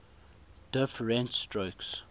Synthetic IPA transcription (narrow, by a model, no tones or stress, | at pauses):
d̥ɪfɹɛ̃ntstɹoʊks